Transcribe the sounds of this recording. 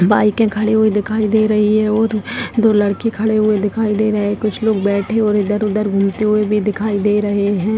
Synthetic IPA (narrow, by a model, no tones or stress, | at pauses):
baːikẽkʰɐɽeɦuid̪ɪkʰaːid̪eːɾɐɦiɦɛ̃ɔːɾd̪olɐɽkekʰɐɽeɦʊed̪ɪkʰaːid̪eːɾɐɦekʊt͡ʃʰloːɡ̚bɛːʈʰeɔːɾɪd̪əɾʊd̪əɾɡʱʊmt̪eɦʊebʱid̪ɪkʰaːid̪eːɾɐɦeɦɛ̃ː